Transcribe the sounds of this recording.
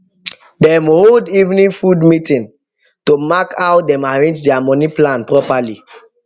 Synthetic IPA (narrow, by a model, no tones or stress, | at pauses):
dɛ̃moholdivnĩnfudmitĩn | tomakʰawdɛ̃maɹẽnd͡ʒdɛamɔ̃niplãnpɾɔpali